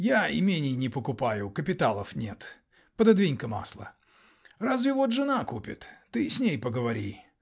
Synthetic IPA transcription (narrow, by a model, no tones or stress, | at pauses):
jaɪ̰mʲenʲɪjnʲɪpəkʊpajʊkəpʲɪt̪alˠəfnʲe̞t̪ | pəd̪ɐd̪vʲinʲkəma̰slˠə̰ | razvʲɪvo̞t̪ʐɨnakupʲɪ̰t̪ːɨsʲnʲejpəɡəvɐɾʲi